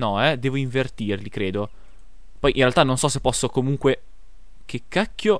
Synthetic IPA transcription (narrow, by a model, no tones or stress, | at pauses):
nɔɛd̪eːvoiɱvert̪irlikɾeːd̪o | pɔjʔḭ̃nrealt̪anonsɔsepːɔsːokomuŋkwe | k̟ekːakːjo